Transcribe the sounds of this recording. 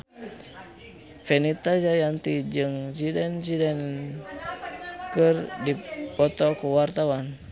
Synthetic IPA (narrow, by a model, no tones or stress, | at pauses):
fɛnit̪ad͡ʒajant̪id͡ʒɨŋd͡ʒidɛnd͡ʒidɛn | kərdipɔt̪ɔkuwart̪awan